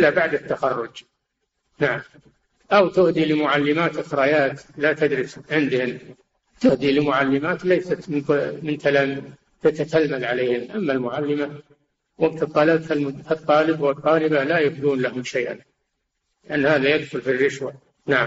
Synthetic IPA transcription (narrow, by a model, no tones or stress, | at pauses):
ɪlːabaʕd̪at̪ːaxɑrˤːʊd͡ʒ | naʕam | ʔawt̪ʊhd̪ilɪmʊʕalːɪmaːt̪ɪxɾˤɑjaːt̪lat̪ad̪ɾɪsʕɪnd̪ɪhʊm | t̪ʊhd̪ilɪmʊʕalːɪmaːt̪lajsat̪mɪnmɪnt̪ʰalaːm | t̪at̪ak̪almalʕaleːhɪmʔamːalmʊʕalːɪma | wɪbt̪ɨt̪ˤːɑːlabfalmfɑt̪ˤːɑːlɪbwɨt̪ˤːɑːlɪbalajʊfd̪uːnlahʊmʃajʔa̰n | lɪʔanːhaːðajad̪xʊlfirːɪʃwa | naʕa